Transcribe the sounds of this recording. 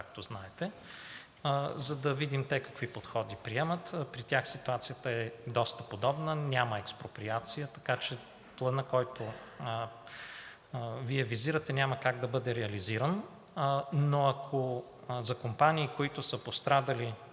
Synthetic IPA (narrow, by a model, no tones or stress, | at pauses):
kak̚t̪oznaɛt̪ɛ | zɐd̪ɐvid̪imt̪ɛkɐ̥kvipot̪xɔd̪ipɾiɛmət̪pɾit̪ʲjaxsit̪uat̪sijət̪əɛd̪ɔst̪əpod̪ɔbnənʲamɐɛkspɾopɾiat̪sijət̪ɐkat͡ʃɛ | plˠɐnəkɔjt̪o | viɛviziɾət̪ɛnʲaməkaɡ̚d̪ɐbɤd̪ɛɾɛɐliziɾənː | oɐkʰo | zɐkompaniːkoit̪ʊsəpost̪ɾad̪ɐli